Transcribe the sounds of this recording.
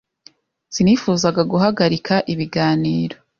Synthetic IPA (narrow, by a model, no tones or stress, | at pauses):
z̥inifuːzaɡaɡuɦaɡaɾikʰaʔiβiɡaːniːɾo